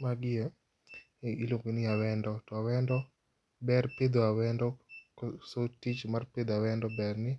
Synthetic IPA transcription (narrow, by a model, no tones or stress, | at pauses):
maɡɪɛ | iloŋɡinɪawɛndɔtɔawɛndɔ | bɛrped̪oawɛndɔ | sotit͡ʃmarped̪awɛndɔbɛrnɪ